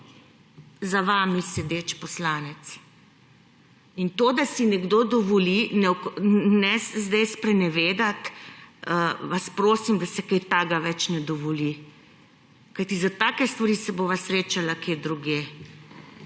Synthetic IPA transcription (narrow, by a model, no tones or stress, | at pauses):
zaʋaːmisɛd̪eːt͡ʃpɔslaːnɛt̪s | int̪od̪asinɛɡd̪oːd̪ɔʋɔlinɛknɛzd̪ɛjspɾɛnɛʋeːd̪at̪əʋaspɾoːsimd̪asɛkɛjt̪aːɡaʋɛt͡ʃnɛd̪ɔʋɔli | kajt̪izat̪aːkɛst̪ʋaɾisɛboʋasɾeːt͡ʃalakeːd̪ɾuɡje